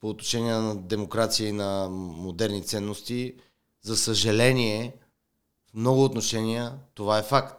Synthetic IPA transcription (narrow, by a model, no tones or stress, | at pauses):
poːt̪noʃɛniɛnɐd̪ɛmokɾat̪sijəinɐmod̪ɛɾnit̪sɛnːost̪i | zɐsəʒɐlɛniɛ | fmnɔɡʊːt̪noʃɛniət̪ovaɛfakt̪